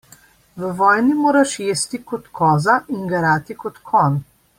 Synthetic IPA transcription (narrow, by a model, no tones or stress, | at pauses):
ʋəʋɔːjnimoːɾaʃjeːst̪ikɔt̪kʰɔːzaʔiŋɡɐɾaːt̪ikɔt̪kʰɔn